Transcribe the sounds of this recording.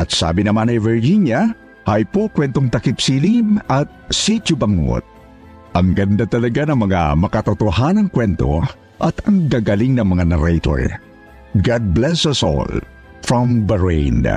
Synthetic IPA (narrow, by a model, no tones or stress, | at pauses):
ʔɐt̪sa̰ːbɪnɐmanɐjvɛɹhinja | hajpokwɛnt̪oŋt̪ɐkɪpsilimɐt̪̚sit͡ʃʊbɐŋo̰t̪̚ | ʔɐŋɡɐnd̪at̪ɐlɐɡanɐŋmɐŋa̰mɐkɐt̪ot̪oɦanɐŋkwɛnt̪o̰ | ʔɐt̪ɐŋɡaɡaliŋnɐŋmɐŋanɛɾɛjt̪o̰ɹ | ɡad̪̚blɛsɐsɔ̰l | fɹɔmbɛɹḛjn